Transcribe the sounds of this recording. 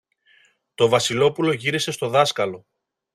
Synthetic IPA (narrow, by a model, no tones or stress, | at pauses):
t̪o̞vɐsilo̞pulo̞ʝiɾise̞st̪o̞ðɐskɐlo̞